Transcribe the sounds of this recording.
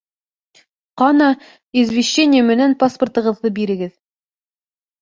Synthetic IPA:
qɑnɑ | izvʲeɕːenʲɪjəmɘ̆nænpaspərt̪ɤ̆ʁɤ̆ðːɤbiɾɘ̆ɡɘð

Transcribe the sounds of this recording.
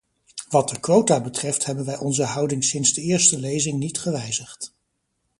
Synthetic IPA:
ʋɑt̚dəkʋowtaːbətrɛftɦɛbənʋɛjʔɔnzəɦɑwdɪŋsɪnzdəɪːɹstəlejzɪŋnitχəʋɛjzəχt

